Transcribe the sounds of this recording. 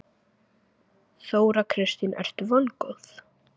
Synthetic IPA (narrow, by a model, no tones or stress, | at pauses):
θoːwɾakʰɾɪst̪ɪnɛ̰r̥t̪vɔnkɔwθ